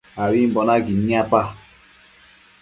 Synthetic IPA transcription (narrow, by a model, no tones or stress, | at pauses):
awim̩bɔnaɡinĩapa